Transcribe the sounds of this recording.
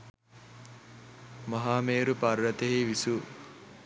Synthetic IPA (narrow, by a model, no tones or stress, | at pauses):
mɐɦaːmeːɾupaɾːɐt̪eɦiʋisu